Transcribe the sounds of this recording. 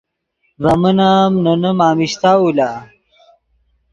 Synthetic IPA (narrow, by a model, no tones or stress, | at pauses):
vɐmənamnənəmaːmiɕt̪aːula